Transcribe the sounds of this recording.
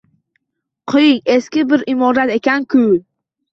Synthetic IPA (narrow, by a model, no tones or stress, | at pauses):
qʰɨjɪŋe̞skʲɪbɪɾʔɪmɒɾat̪e̞kʲankʰʊ